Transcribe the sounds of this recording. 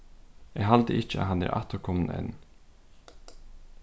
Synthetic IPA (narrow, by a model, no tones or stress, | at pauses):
eːɦɑld̪əʔɪc͡çəɑ̰hɑnæ̰ːɾʔɑ̰t̪əɾkʰɔmənɛ̰n